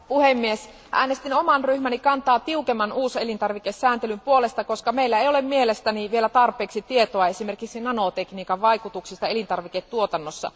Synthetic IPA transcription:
puhemːies | ʔæ̰ːnest̪inomɑnryhmænikɑnt̪ɑːt̪iukemːɑnuːselint̪ɑrʋikesːæːnt̪elympuolest̪ɑkoskɑmeilːæejolemmielest̪æniʋielæt̪ɑrpˑeːksit̪iet̪oɑesime̞rkiksinɑnot̪ekniːkɑʋʋɑikut̪uksist̪ɑelint̪ɑrʋiket̪tuot̪ɑnːosːɑ̰

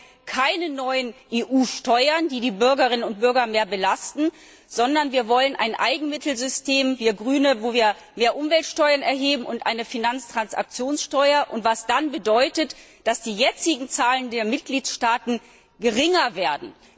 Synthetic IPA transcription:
kʰaɪnənɔʏənʔeːʔuːʃtɔʏɐndiːdiːbʏɐɡɐʁɪnənʊnt̚b̥ʏɐɡɐmeːɐbəlastn̩ | z̥ɔndɐnviːɐvɔlənʔa̰ɪnʔa̰ɪɡŋ̩mɪtl̩zʏsteːmviːɐɡʁyːnəvoːviːɐ | meːɐʔʊmvɛltʃtɔʏɐnɛɐɦeːbm̩ʊntʔaɪnəfinant͡stʁ̥ansa̰k̚t͡sjoːnsʃtɔʏɐʔʊntv̥asd̥anbədɔʏtətd̥asd̥iːjɛt͡sɪɡŋ̩t͡saːləndeːɐmɪt̚ɡ̥liːtʃtaːtn̩ | ɡ̥əʁɪŋɐveːɐdn̩

